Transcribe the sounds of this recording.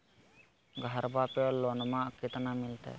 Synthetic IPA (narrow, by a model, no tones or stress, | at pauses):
ɡʱaɾbapɔlɔnmakit̪anamilt̪ɛ̰